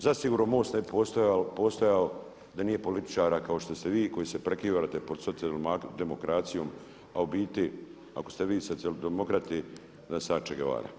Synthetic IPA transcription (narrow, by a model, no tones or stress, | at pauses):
zasiɡuːɾnomo̞ːst̪nebipost̪ojapo̞ːst̪ojao | d̪aniːje̞po̞lit̪i̥t͡ʃaːɾakao̞ʃt̪o̞st̪eʋiːko̞jisepɾekiːʋaat̪epod̪sot̪iad̪emokɾat̪sijo̞ːm | aubiːt̪i | a̰ko̞̥st̪eʋiːsosiald̪emokɾat̪i | nasaːt͡ʃeɡeʋa̰ːɾa̰